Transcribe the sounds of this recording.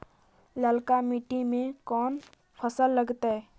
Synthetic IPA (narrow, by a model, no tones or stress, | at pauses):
ləlkamiʈimẽkɔːn | pʰəsəlːəɡt̪aɦɛ